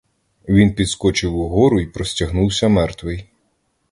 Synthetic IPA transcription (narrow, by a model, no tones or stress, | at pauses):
ʋʲinpʲid̪skɔt͡ʃɪwuɦɔɾʊipɾɔsʲtʲɐɦnuwsʲɐmɛrt̪ʋɪj